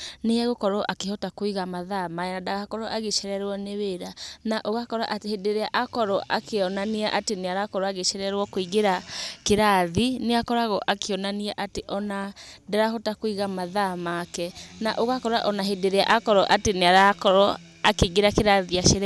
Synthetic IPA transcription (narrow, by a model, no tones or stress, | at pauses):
neɛɣokɔɾɔʔakehɔtakoiɣamaðamaɛnadaɣakɔɾɔʔaɣeʃɛɾɛɾwɔneweɾanaʔoɣakɔɾa̰ʔatehedeɾeaʔakɔɾɔʔakeɔnaniaʔateneaɾakɔɾɔaɣeʃɛɾɛɾwɔkoiɣeɾakeɾaðineakɔɾaɣɔʔakeɔnaniaʔateʔɔnadaɾahɔtakoiɣamaðamakɛnaʔoɣakɔɾaʔɔnaɦedeɾea̰ʔakɔɾɔʔateneaɾakɔɾɔ | akeiɣeɾakeɾaðiaʃeɾ